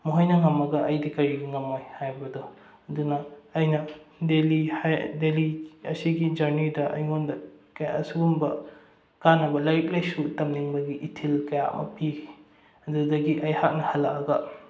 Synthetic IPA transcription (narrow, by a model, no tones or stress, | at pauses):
muɦɐjnɐŋɐmːɐɡɐʔɐjdikɐɾibuŋɐmojhajbɐdɔ | ɐdunɐːjnɐdeliajdeliɐsiɡid͡ʒɐɾnidɐʔɐ̰jŋondɐkɐjɐsuɡumbɐ | kanɐbɐlɐɾik̚lɐjsutɐmniŋbɐɡiʔːtʰilkɐjaɐ̰mʔɐ̰pi | ɐdudɐɡiʔɐjhak̚nɐhɐlːɐkɐɡɐ